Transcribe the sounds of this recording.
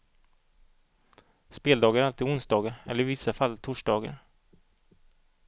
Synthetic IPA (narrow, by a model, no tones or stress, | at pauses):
speːld̪ɑːɡaɾalt̪ɪʊnsd̪ɑːɡaɾɛ̰lːəɾɪvɪsːafalːt̪ʰʊʂɖɑːɡa̰ɾ